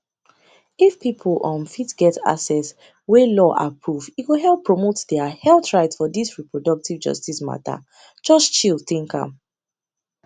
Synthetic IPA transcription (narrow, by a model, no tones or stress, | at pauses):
ifpipʰl̩ɔ̃nfitɡɛta̰sɛs | welɔʔa̰pʰɹuviwuɦɛlˠpːɹomotdɛahɛlθɹaɪtsfɔdisɹipɹɔdɔk̚tivd͡ʒʌ̰stisma̰ta̰ | d͡ʒɔst͡ʃilˠθĩŋkã̰m